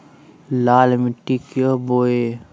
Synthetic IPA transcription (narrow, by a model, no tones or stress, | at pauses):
laːlmiʈikjoboe